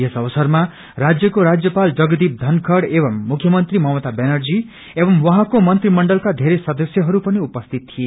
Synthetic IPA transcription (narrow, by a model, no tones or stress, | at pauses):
jesʌbʌsʌrma | rad͡zjʌkoɾad͡zjʌpald͡zʌɡd̪ip̚d̪ʱʌnkʰʌɽebʌmːukʰjʌmʌnt̪rimʌwʌt̪abenʌrd͡zi | ebʌmwʌɦãkomʌnt̪rimʌɳɖʌlkad̪ʱeɾesʌd̪ʌsjʌɦʌɾupʌniupʌst̪ʰit̪̚tʰie